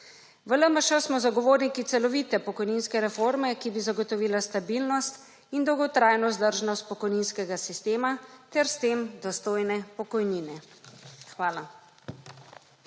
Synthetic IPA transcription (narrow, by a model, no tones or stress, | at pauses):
ʋələməʃəsmɔzaɡɔʋoːɾnikit̪sɛlɔʋiːt̪ɛpɔkɔjniːnskɛɾɛfoɾmɛkibizaɡɔt̪ɔʋiːlast̪abilnɔst̪ | ind̪ɔwɡɔt̪ɾajnɔzd̪əɾʒnɔst̪̚pɔkɔjninskɛɡasist̪eːmat̪ɛɾst̪eːmd̪ɔst̪oːjnɛpɔkɔjniːnɛ | xʋaːla